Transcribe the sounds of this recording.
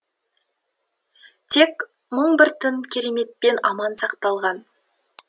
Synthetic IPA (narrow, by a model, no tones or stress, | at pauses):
t̪ʰe̞k | məɴbɪɾt̪ʰɪnkʲʰe̞ɾe̞me̞t̪̚pe̞nɑmɑnsɑqt̪ɑlˠʁɑn